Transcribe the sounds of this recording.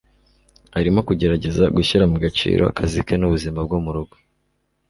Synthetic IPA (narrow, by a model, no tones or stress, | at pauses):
haɾimo̞kuɟe̞ɾaɟe̞zaɡuçiɾamuɡat͡ʃḭːɾo̞a̰kʰazikenuβuzimab̚ɡumuɾuɡo̥